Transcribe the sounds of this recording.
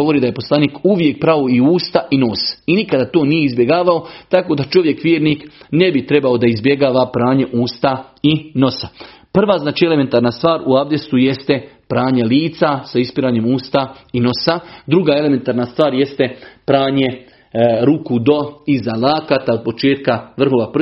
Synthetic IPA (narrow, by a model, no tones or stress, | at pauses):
oʋo̞ɾiːd̪aje̞po̞slˠaniːkuʋje̞k̚pɾaʋoiuːst̪aʔino̞ːsinikad̪at̪o̞ːnijeizbje̞ɡaːʋaot̪akod̪at͡ʃo̞ʋje̞kʋjeːɾniːknebit̪ɾe̞baod̪aizbje̞ɡaːʋapɾaːɲe̞ʔuːst̪aino̞sa | pr̩ʋaːznaːt͡ʃie̞leme̞nt̪aːɾnast̪ʋaːɾuaʋd̪est̪uje̞st̪e̞pɾaːɲeliːt̪sasaispiɾaːɲe̞muːst̪aino̞sad̪ɾuɡaːe̞le̞me̞nt̪aːɾnast̪ʋaːɾje̞st̪e̞pɾaːɲe̞ | ɾukud̪o̞izalaːkat̪ao̞d̪̚po̞t͡ʃeːt̪kaʋr̩ɦo̞ːʋap